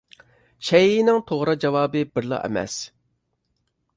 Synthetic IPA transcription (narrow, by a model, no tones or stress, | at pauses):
ʃɛjɪnɪŋt̪ʰoʁɾɑd͡ʒɑwɑːbɨbɪɾlˠɑ̰ʔɛ̰mɛ̰s